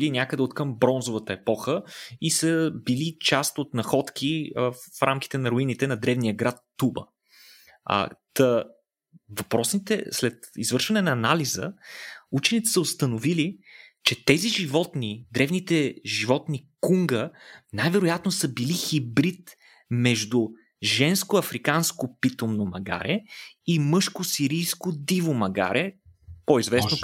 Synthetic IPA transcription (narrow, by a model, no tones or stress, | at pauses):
linʲakəd̪ɛot̪kəmbɾɔnzovət̪əɛpɔxəisəbilit͡ʃast̪ot̪nɐxɔt̪k̟ʰifɾamk̟i̥t̪ɛnɐɾoinit̪ɛnɐd̪ɾɛvnijəɡɾat̪ːubə̰ | t̪ə | vɐpɾɔsnit̪ɛ̰slɛt̪izvɤɾʃvɐnɛnɐːnalizə̰ut͡ʃɛnit̪ɛ̥səost̪ənovilit͡ʃɛt̪ɛziʒivɔt̪nid̪ɾɛvnit̪ɛʒivɔt̪nikuŋɡənajvɛɾʊjat̪nosəbilixibɾit̪ | mɛʒd̪u | ʒɛnskoɐfɾikanskopit̪omnomɐ̰ɡa̰ɾɛimɤʃkosiɾijskod̪ivomɐɡa̰ɾɛpoizvɛsno